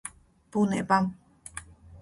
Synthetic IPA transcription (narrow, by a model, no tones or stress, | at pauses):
puneʔpam